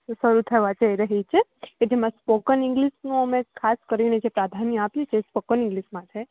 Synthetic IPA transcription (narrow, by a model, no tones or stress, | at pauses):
səɾut̪ʰəʋat͡ʃəiɾəɦit͡ʃʰeked͡ʒemãspokənĩŋɡliʃnũəmekʰaskəɾined͡ʒepɾad̪ʱanijapjut͡ʃʰeːspokənĩŋɡliʃmãt̪ʰe